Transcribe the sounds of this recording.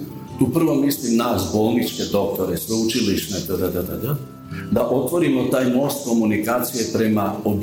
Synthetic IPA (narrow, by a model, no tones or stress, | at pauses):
t̪upr̩ʋomislimnaːsbolˠnit͡ʃked̪o̞k̚t̪oɾɛsʋɛut͡ʃiliʃnɛt̪əd̪ad̪ad̪ad̪a | d̪aʔot̪ʋoɾimot̪aːjmost̪̚komunikaːt̪sijepɾemaob̪